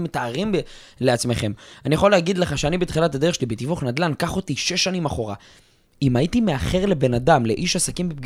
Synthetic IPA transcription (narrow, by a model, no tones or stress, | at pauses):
metaːʁim | leat͡sme̞χe̞manijaχo̞leːɡid̪le̞χaʃeanibet̪χilat̪adeeʃelibet̪ivuχnad̪lankaχot̪iʃe̞ʃːanimaχo̞ʁa̰ | imait̪ime̞aχe̞ʁle̞be̞nadamleʔiʃasakimbep̚